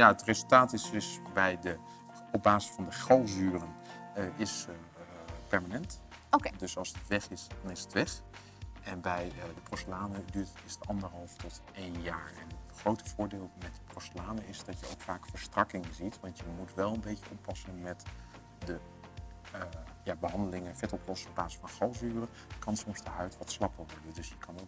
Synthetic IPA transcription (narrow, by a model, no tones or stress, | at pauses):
jaətrezəlˠtaːtɪsɪsbɛjdə | ɔb̚baːzɪ̥sfɑndəχɑlˠzyːrənɪs | pɛɹmanɛnt | odɵsɑlˠsətʋɛχɪsdɑnɪsətʋɛχ | ɛnbɛjdəproslaːnədyːɹtətɪsətɑndəɹɦɑlˠftɔtejnjaːɹɛ̰nətχrowtə̥vʊːɹdɪːlˠmɛt̚dəprostlaːnəɪsdɑtjəowkfaːkfəɹstrɑkɪŋzitʋɑntjəmutʋɛlˠənbejcəʔɔpːɑsənmɛt | də | jabəɦɑndəlɪŋəfɛtɔplɔsənɔb̚aːzɪ̥sfɑnχɑlˠzyːrə | kɑnsɔmsdəɦœɥtʋɑtslɑpəɹʋɔɹdəndɵsjəkʰɑnok